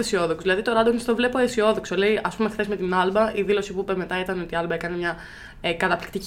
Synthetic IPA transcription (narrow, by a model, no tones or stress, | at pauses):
esio̞ðoksuzðilɐðit̪o̞ɾɐd̪onist̪ovle̞po̞esio̞ðo̞ksole̞iʔɐspume̞xθe̞zme̞t̪inɐlbɐʔiðilo̞sipuipeme̞t̪ɐit̪ɐno̞t̪iɐlbɐe̞kɐnemɲɐ | kɐt̪ɐpli̥k̚t̪ic